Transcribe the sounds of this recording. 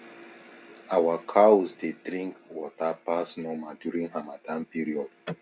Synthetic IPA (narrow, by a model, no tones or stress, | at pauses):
awakʰaɔzdedɹĩŋkwɔtapasnɔmadjuɹĩŋhamadãnpiɹiɔd̥